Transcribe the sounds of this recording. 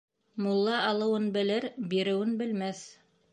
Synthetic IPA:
mulˠːɑɑlˠɤ̆wɤnbɘ̆lɘɾbiɾɘ̆wɘnbɘ̆lmæθ

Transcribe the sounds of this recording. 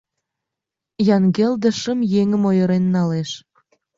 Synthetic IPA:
jɑnɡeld̪ə̆ʃə̆mjeŋə̆mojə̆ɾenːɑleʃ

